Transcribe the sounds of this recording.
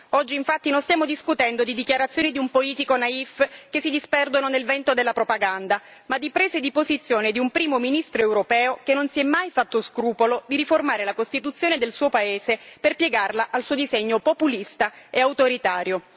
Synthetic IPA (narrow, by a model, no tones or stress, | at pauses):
ɔd͡ʒːiːɱfat̪ːinonst̪jaːmod̪iskut̪ɛnd̪od̪id̪ikjaɾat̪sːjoːnid̪iumpoliːt̪ikonaifkesid̪ispɛrd̪ononelvɛnt̪od̪elːapɾopaɡand̪a | mad̪ːipɾeːzed̪ipozit̪sːjoːned̪iumpɾiːmominist̪ɾoewɾopɛːokenːonsiɛmːajfat̪ːoskɾuːpolod̪iɾiformaːɾelakost̪it̪ut̪sːjoːned̪elsuːopaeːzeperpjeɡarlaʔalsuːod̪izeɲːopopulist̪aeawt̪oɾit̪aːɾjo